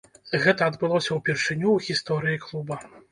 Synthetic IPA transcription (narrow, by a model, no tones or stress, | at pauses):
ɣɛt̪ɐɐd̪bɨlˠɔsʲɐwpʲirʂɨnʲuwɣʲist̪ɔɾɨjiklˠubɐ